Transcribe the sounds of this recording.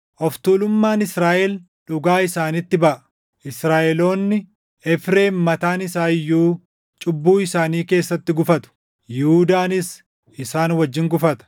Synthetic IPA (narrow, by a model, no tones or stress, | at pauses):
ʔɔft̪uːlʊmːaːnɪsɾaːʔɛl | ᶑʊɡaːɪsaːnɪt̪ːɪbɐʔɐ̥ | ʔɪsɾaːʔɛlo̞ːnːɪ | ɛfɾe̞ːnmːɐt̪aːnɪsaːɪjːuː | t͡ʃʼʊbːuːɪsaːniːke̞ːsːɐt̪ːɪɡʊfɐt̪ʊ̥ | jɪhud̪aːnɪs | ɪsaːnwɐd͡ʒːɪŋɡʊfɐt̪ɐ̥